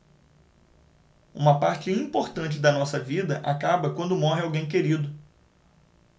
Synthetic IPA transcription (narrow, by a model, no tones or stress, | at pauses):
ṵ̃mɐpaɾt͡ʃɪĩpoɾt̪ɐ̃t͡ʃɪd̪ɐnɔsɐvid̪ɐʔakabɐkwɐ̃nd̪ʊmɔɦɪawɡẽj̃k̬eɾid̪ʊ